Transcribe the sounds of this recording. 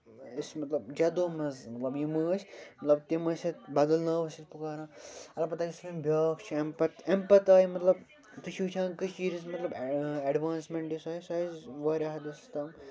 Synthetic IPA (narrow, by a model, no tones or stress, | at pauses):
ismɐt̪lɐbd͡ʒɐd̪oːmɐzmɐt̪lɐbjiməːt͡ʃʰʲmɐt̪lɐb̚t̪imɐsʲɐt̪bɐd̪ɐlnɐːʋɐsit̪̚pukaːɾãːɐlɐpɐt̪aːkislimbʲaːkt͡ʃʰempɐt̪empɐt̪aːimɐt̪lɐb | t̪ɨʃʰuːt͡ʃʰãːkɨt͡ʃiːɾis̬mɐt̪lɐbɐɖʋaːnsmeɳʈjisaːisaːzʋaːɾʲaːɦɐd̪ɐst̪ɐm